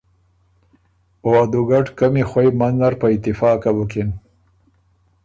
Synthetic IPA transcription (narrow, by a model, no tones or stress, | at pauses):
oad̪uɡaʈkəmexwajmanzaɾpəɪt̪ɪfɑkabʊkɪn